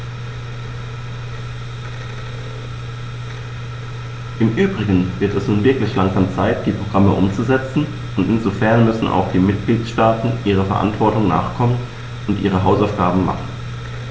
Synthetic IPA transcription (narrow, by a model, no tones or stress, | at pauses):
ʔɪmʔyːbʁɪɡən̩v̥ɪɐtɛsnuːnvɪɐklɪçlaŋzaːmt͡saɪt̚d̥iːpʁ̥oɡ̥ʁaməʔʊmt͡suzɛt͡sn̩ | ʔʊntɪnzofɛɐnmʏsn̩ʔa̰ʊxd̥iːmɪt̚ɡ̥liːtʃtaːtn̩ʔiːʁ̞əfɛɐʔa̰ntv̥ɔɐtʊŋna̰ːχkʰɔmən | ʊntʔḭːʁ̞əɦaʊsaʊfɡ̥aːbm̩ma̰χn̩